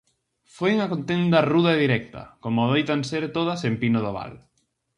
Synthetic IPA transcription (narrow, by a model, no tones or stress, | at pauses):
fojuŋakont̪end̪ɐruðɐeðiɾɛk̚t̪ɐ̰komʊoðejt̪anseɾt̪oð̞ɐsempinoðoβa̰l